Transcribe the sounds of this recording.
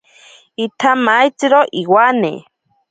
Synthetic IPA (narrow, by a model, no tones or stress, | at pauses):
it̪ʰamajt͡sɨɾoʔiwanḛ